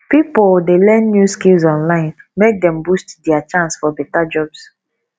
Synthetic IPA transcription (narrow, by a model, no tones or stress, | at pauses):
pipoldelɛ̃nːjuskilzɔ̃nlãɪ̃nmek̚dɛ̃mbustdɛat͡ʃãnsfɔbɛtad͡ʒɔbs